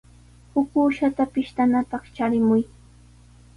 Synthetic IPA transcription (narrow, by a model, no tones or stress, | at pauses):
hʊkuːʃat̪apɪʃt̪anapɑχt͡ʃaɾɪmʊj